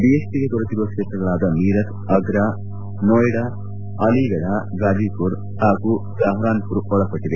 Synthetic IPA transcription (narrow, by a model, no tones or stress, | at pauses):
biespiɡek̪ɔɾet̪iɾuʋɐkʂeːt̪ɾɐɡɐɭaːd̪ɐmiːɾɐt̪ | ɐɡɾaː | noːjɽaː | ɐliɡɐɽaɡaːd͡ʒikuɾ | haːɡu | saːɦɾaːnpuɾuɔɭɐpɐʈːid̪e